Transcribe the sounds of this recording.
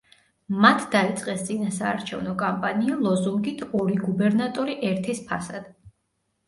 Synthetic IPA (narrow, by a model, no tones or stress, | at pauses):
mat̪ʰd̪̥ait̪sʼqʼɛst̪sʼinasaːɾt͡ʃʰɛ̰vnɔkʼampʼanialˠɔzuŋɡit̪ʰɔɾiɡubɛɾnat̪ʼɔɾiʔɛɾt̪ʰispʰasad̪̥